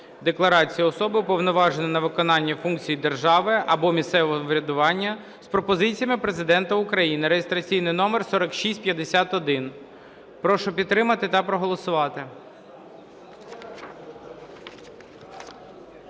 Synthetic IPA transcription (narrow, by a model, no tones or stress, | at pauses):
d̪eklˠɐɾɑt͡sʲijɐɔsɔbɪpɔwnɔʋɑʒenɐnɐʋɪkɔnɑnʲːɐfunk̚t͡sʲijid̪erʒɑʋɪɐbɔmʲist̪sɛʋɔɦɔʋɾʲɐd̪ʊʋɑnʲːɐ | spɾɔpɔzɪt͡sʲijɐmɪpɾezɪd̪ɛnt̪ɐʊkɾɐjinɪɾejɪst̪ɾɐt͡sʲijnɪjnɔmersɔɾɔkʃisʲtʲpʲjɐd̪esʲat̪ɔd̪ɪn | pɾɔʃɔpʲid̪̚t̪ːɾɪmɐt̪ɪt̪ɐpɾɔɦɔlˠɔsʊʋɑt̪ɪ